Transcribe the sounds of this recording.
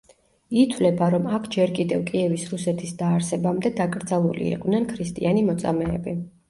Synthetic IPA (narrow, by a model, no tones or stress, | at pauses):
it̪ʰvlɛbaɾɔmakʰd͡ʒɛɾkʼid̪ɛvkʼiɛvisɾusɛt̪ʰisd̪aːɾsɛbamd̪ɛd̪akʼɾd̪zalˠulḭḭqʼvnɛnkʰɾist̪ʼḭanimɔt̪sʼa̰mɛːbi